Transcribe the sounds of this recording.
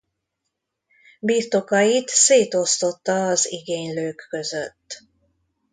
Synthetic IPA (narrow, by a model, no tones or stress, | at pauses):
biːrt̪o̞kɒjit̪seːt̪o̞st̪o̞t̪ːɒːziɡeːɲløːkːø̞zøt̪ː